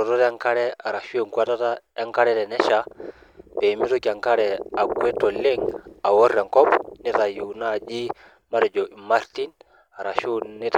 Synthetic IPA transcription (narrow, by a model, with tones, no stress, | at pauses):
ɾo˨to˦ta˦ŋka˦ɾɛ˦a˨ɾa˨ʃu˦e˨ŋkwa˦ta˦ta˦e˦ŋka˦ɾɛ˦tɛ˨nɛ˦ʃa˨˦ | be˨mi˦zo˦ka˨ŋka˦ɾɛ˨a˨kwe˦to˨le˦ŋa˨wo˦ɾːɛ˨ŋkɔ˦pni˦ta˨ju˨na˦˨d͡ʒi˦ | ma˦ɾɛ˨d͡ʒo˨i˨ma˦ɾti˦n | a˨ɾa˨ʃu˦ni˦t